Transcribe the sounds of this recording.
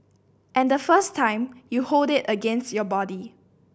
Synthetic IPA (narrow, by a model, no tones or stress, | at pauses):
ʔɛ̃ndəfəstʰːãɪ̃mjuholdɪtəɡɛ̃nstjɔbɔdi